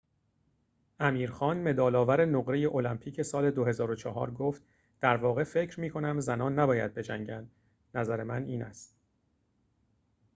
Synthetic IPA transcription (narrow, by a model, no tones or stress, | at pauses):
ʔæmiːɾxɒːnme̞d̪ɒːlɒːvæɾe̞noɣɾe̞je̞ʔo̞læmpʰiːcʰe̞sɒːle̞d̪oɦe̞zɒːɾot͡ʃʰɒːɦɒ̰ːɾɡoːft̪ | d̪̥æɾvɒːɣe̞fe̞cʰɾmiːkʰo̞næmzænɒːnːæbɒːjæd̪̚be̞d͡ʒæŋɟænd̪ | næzæɾe̞mæniːnæ̰st̪